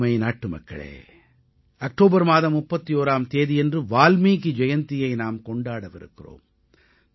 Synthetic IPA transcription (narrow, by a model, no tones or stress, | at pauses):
mɐɪnaːʈːɯmɐ̰kːɐ̰ɭḛː | ɐk̚ʈoːbɐɾmaːðɐmːʊpːɐt̪ːijoːɾaːmt̪eːðɪjɛndrɯʋaːlmiːkid͡ʒɛjɐnt̪ɪjɐɪnaːmkɔɳɖaːɽɐʋɪ̰ɾɯ̰kːɪro̰ːm